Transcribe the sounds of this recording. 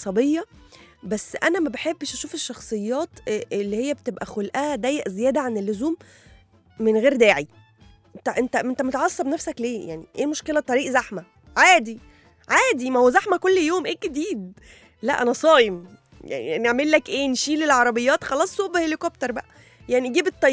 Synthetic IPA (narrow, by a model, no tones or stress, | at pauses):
sˤɑbejːɑbæsːʔænæmæbeħebːeʃʔæʃuːfeʃːɑxsˤejːɑːt̪ʔelːihejːæbet̪ebʔæxolʔææd̪æːjːæʔzejæːd̪æʕanelːozuːmː | enɣeːɾd̪æːʕi | t̪æʔent̪æent̪æmot̪ʕɑsˤːɑbnæfsækleːja̰ʕnḭʔeːmoʃkelæt̪ˤːɑɾˤiːʔzæħmæ | ʕaːd̪i | ʕaːd̪imæhowæzæħmækolːjoːmʔeːɡed̪iːd̪̚ | læ̰ʔænæsˤɑːjem | ja̰ʕnḭæniʕmelːækʔeːnʃiːlelʕɑɾˤɑbejːɑːt̪xɑlɑːsˤːuʔbehelekop̚t̪ɑɾˤbæʔæ | jaʕniɡiːbet̪ˤːɑ